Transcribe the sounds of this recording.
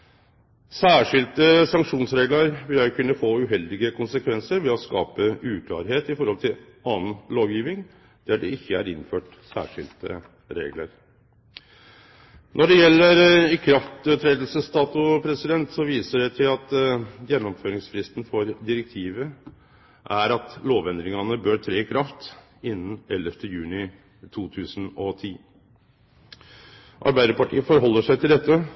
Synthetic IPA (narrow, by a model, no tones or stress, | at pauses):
sæːʂɪlt̪əsɑŋkʂuːnsɾeːɡlɑɾʋɪljækʰʉnːəfoːʉɦɛld̪ɪɡəkʰʊnsəkʰʋɛnsəɾʋɛɔskɑ̰ːpəʉːkʰlɑ̰ːɾɦeːt̪ɪfɔɾhɔlt̪ʰɪl | ɑːn̩loːʋjiːʋɪŋ | d̪̥æɖɛ̰ɪçːəæ̰ɾɪnːføːʈ | sæ̰ːʂɪ̰lt̪ə̰ | ɾḛːɡlə̰ɾ | nʔɔɖɛjɛlːəɾɪkʰɾɑft̪øt̪ʰɾeːd̪lsəst̪ɑːt̪ʊpʰɾɛsɪd̪ɛnt̪sɔʋiːsəɖɛt̪ʰɪlɑt̪jɛnːɔmføːɾɪŋsfɾɪst̪n̩fɔɾd̪ɪɾɛk̚t̪ʰiːʋə | ʔæɾɑt̪loːʋɛnd̪ɾɪŋɑnəbøːɾt̪ʰɾeːkʰɾɑft̪ | ɪnːən̩ɛləft̪ʰəjʉːnɪ | t̪ʰuːt̪ʰʉːsn̩ɔt̪ʰiː | ʔɑ̰ɾbæɪd̪əɾpɑʈʰḭːəfɔɾɦɔlːəʂæɪt̪ʰɪld̪ɛt̪ːə